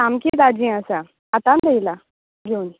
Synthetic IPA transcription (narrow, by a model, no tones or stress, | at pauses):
amkid̪ad͡ʑĩːasa | at̪ãnd̪ejla | ɡʱeuni